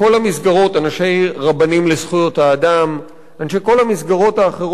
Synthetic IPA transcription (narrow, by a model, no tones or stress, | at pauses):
o̞lhamisɡaʁo̞tanaʃe̞jʁabanimlesχujo̞thaːdam | anʃejko̞lamisɡaʁo̞thaːχeʁ